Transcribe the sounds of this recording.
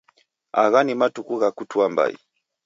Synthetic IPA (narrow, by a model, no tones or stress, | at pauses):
a̰ɣanimatukuɣakutuamba̰ḭ